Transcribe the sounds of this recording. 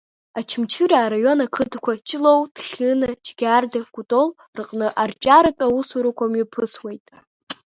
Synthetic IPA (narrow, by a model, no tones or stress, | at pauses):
at͡ʃʰɪmt͡ʃʰɨɾaːɾajo̞nakʰɨdkʷʰat͡ʃʼlo̞wd̥χʲɨnɨd͡ʒɡʲardaɡ̥ʷʊtʼo̞l | rɨqʼnɨʔart͡ʃʼaɾatʼawusuɾukʷʰamɥipʰɨswejtʼ